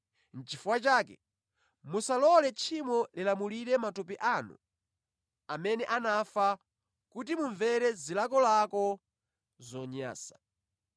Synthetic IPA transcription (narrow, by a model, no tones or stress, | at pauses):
n̩t͡ʃifuwat͡ʃaːkɛ̰ | musalɔlɛt͡ʃʰimɔlilamuliɾɛmatup̬iʔanṵ | amɛnɛʔanafa | kut̬imuɱvɛɾɛzilakɔlakɔ | zɔɲa̰ːsḁ